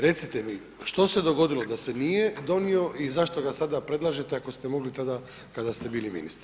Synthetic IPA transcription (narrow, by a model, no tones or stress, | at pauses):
ɾe̞t̪sit̪e̞mi | ʃt̪o̞se̞d̪o̞ɡo̞d̪ilo̞d̪ase̞nije̞d̪o̞nio̞ʔizaʃt̪o̞ɡasad̪apɾe̞d̪lˠaːʒet̪eako̞st̪e̞mo̞ɡlit̪ad̪a | kad̪ast̪e̞biːlimḭnḭst̪ɾ